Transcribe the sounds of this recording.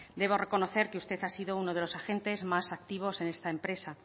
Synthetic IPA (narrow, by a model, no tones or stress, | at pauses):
d̪e̞β̞o̞re̞ko̞no̞θe̞ɾkeust̪eθasiðounoð̞e̞lo̞saxe̞nt̪e̞zmasakt̪iβ̞o̞se̞ne̞st̪aempɾe̞sa